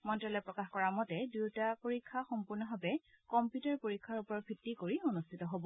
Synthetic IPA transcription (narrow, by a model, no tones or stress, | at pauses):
mɔntɹɔlɔpɹɔkaxkɔɹamɔtɛduwtapoɹikʰːaxɔmpuɹnɔbʱabɛ | kɔmpjutaɹpoɹikʰːaɹupɔɹɔbʱitːikoɹionustʰitɔɦobɔ